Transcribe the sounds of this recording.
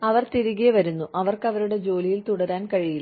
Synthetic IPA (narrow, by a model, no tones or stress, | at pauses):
ɐʋɐrt̪iɾuɣijɐʋɐɾunːuʔɐʋɐrkɐʋɐɾuɽe̞d͡ʑo̞ːlijilt̪uɽɐɾaːnkɐɻijil